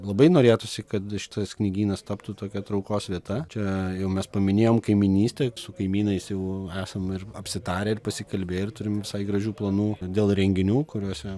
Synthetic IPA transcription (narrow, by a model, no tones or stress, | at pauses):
lˠɐbɐɪnoːɾʲeːt̪ʊsʲɪkɐt̪ʃʲɪ̥t̪ɐsknʲiɡʲiːnɐst̪ɐpt̪ut̪oːkʲɛt̪ɾɒʊkoːsʋʲiɛt̪ɐt͡ʃʲɛjɛʊmʲɛspɐmʲɪnʲeːjoːmkɐɪmʲɪnʲiːsʲt̪ʲeːsʊkɐɪmʲiːnɐɪsjɛʊæːsɐmɪrɐpʲsʲɪt̪ɑːɾʲeːɪrpɐsʲɪkɐlʲbʲeːjɪrt̪ʊɾʲɪmʋʲɪsɐɪɡɾɐʒʲuːplˠɐnuːdʲeːlˠɾʲɛŋʲɡʲɪnʲuːkʊɾʲuɔːsʲɛ